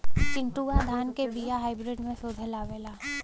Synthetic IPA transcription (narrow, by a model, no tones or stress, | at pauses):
t͡ʃɪ̃ɳʈuːad̪ʱaːnkebijaɦaːɪbɾɪɖmẽsod̪ʱəlaːʋeːlaː